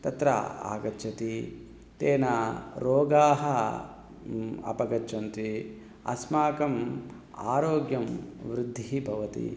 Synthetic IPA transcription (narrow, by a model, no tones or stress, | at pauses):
t̪ɐt̪ɾɐ̰a̰ːɡɐt͡ʃʰɐt̪i | t̪eːnɐɾoːɡaːɦɐ | ɐ̰pɐɡɐt͡ʃɐnt̪i | ɐ̰smaːkɐma̰ːɾoːɡjɐmʋɾɪd̪ʱːiibʱɐʋɐt̪ḭ